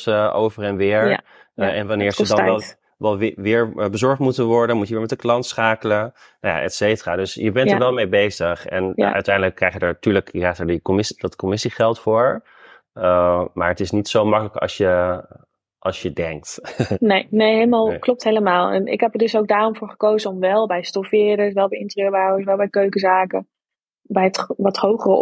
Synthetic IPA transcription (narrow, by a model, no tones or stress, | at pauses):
o̰wvərɛnʋɪːɹja | ɛnʋanɪːɹzədɑɛlˠ | ʋɛlˠʋɪːɹbəzɔɹχtmutənʋɔɹdənmutjəʋɪːɹmɛtdəklɑntsχaːkələn | naja̰ʔɛ̰tsejtəraːdøsjəbɛntəɹʋɛlˠmejbejzəχɛ̰n̰ʔœ̰ɥtɛjndələkːrɛjχjədɛɹtyːɹləkrɛjχtɛɹdəkomɪsdɑtkɔmɪsiχɛlˠtfʊːɹ | maːɹətɪsnitsowmɑkələkɑ̰lˠsjə | ʔɑlˠsjədɛŋk̚tnejnejɦejləmaːlˠklɔp̚tɦejləmaːlˠɛ̰nɪ̰kɦɛpəɹdɵsowɡ̚daːrɔmvʊːɹχə̥kowzəɔmʋɛlˠbɛjstɔfɪːɾəsʋɛlˠbɛjɪntəjøːɹbawəsʋɛlˠbɛjkøɥkəzaːkə | bɛjətʋɑthowχərə